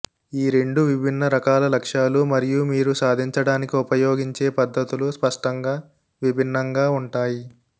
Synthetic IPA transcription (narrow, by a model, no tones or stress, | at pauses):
iːɾe̞ɳɖuʋibʱinːɐɾɐkaːlɐlɐkʂaːlumɐɾijumiːɾusaːd̪ʱiɲt͡ʃɐɽaːnikiupɐjoːɡiɲt͡ʃe̞ːpɐd̪ʱːɐt̪uluspɐʂʈɐŋɡaː | ʋibʱinːɐŋɡaːuɳʈaːji